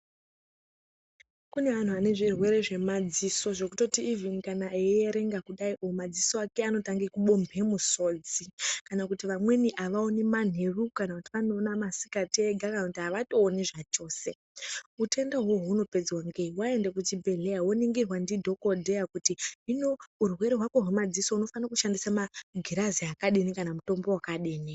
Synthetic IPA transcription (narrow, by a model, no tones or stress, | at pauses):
kune̞ʋan̤uane̞ʐirwe̞ɾe̞ʐe̞mad͡ziso̞ʐo̞kuto̞tiːvinkanaejeɾe̞ŋɡakuɗaiʔomad͡zisoakeano̞taŋɡekuɓombʱe̞musoːd͡zikanakutiʋamwe̞niʔaʋaoneman̤ʱerukanakutiʋanoːnamasi̥kateɡʱakanakutiɦaʋato̞ːneʐat͡ʃo̞ːse̞ | ute̞ndaɦoɦuno̞pe̞d͡zwaŋɡeiwae̞ndekutibʱe̞ɮejawoniŋɡirwandidʱo̞kodʱejakutiinourwe̞ɾeɦwakoɦemad͡zisouno̞fanakuʃandisamaɡʱiɾaziakaɗinikanamuto̞mbo̞wakaɗiːni